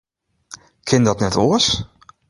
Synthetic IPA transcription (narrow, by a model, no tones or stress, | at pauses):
kʰɪnd̪ɑt̪nɛt̪os